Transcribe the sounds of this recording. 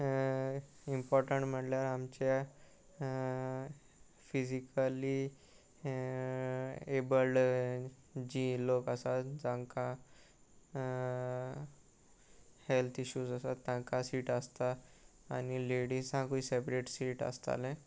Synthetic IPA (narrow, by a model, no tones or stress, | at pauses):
impɔɾʈəɳʈm̤əʈljaɾamt͡ɕe | fisikali | ebəlɖ | d͡ʑilokəsat̪d͡zãŋka | helt̪ʰiɕuːzəsat̪ːjãkasiːʈəst̪a | a̰nileɽisɦãkuisepɾeʈsiʈə̰st̪a̰lɛ̃